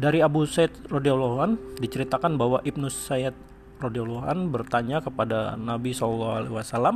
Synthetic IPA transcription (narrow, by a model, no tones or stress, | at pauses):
daɾiabusaɪt̪̚rodiawloɦandit͡ʃəɾit̪akanbaɦwaʔip̚nusaat̪̚ | rodiawloɦa̰nbərt̪aɲakəpada̰nabisɔlɔlːaɦalḛwasalam